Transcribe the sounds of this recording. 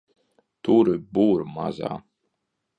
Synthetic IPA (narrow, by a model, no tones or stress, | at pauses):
t̪uɾɨbuːɾma̰za̰ː